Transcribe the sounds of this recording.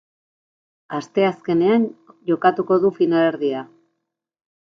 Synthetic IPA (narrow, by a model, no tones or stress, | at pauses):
ast̪e̞aske̞ne̞anʝo̞kat̪uko̞ðufinale̞ɾðia